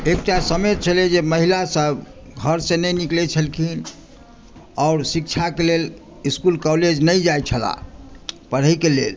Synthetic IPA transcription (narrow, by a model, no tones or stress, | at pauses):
ek̚ʈasəmet͡ʃʰəled͡ʒeməɦilasəb | ɡʱəɾsẽnəniklɛt͡ʃʰəlkʰin | ɔʊɾsik̚t͡ʃʰakelel | iskulkɔled͡ʒnəjd͡ʒajt͡ʃʰəla̰ | pəɾ̤ɦəikelḛl